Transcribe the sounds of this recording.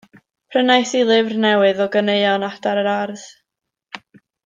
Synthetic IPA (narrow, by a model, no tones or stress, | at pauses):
pʰrənajθilˠɪvrnɛwɨðɔɡəneɨɔnad̥aɾəɾarð̥